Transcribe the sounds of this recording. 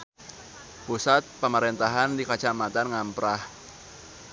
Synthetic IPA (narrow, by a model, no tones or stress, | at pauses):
pusat̪̚paməɾent̪aɦandikḁʒ̥amat̪anŋampɾah